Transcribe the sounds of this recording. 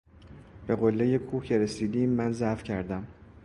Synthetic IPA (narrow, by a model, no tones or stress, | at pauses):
b̥e̞ɣo̞lːeje̞kʰuːcʰe̞ɾe̞siːd̪iːmːænzæfcʰæɾd̪æm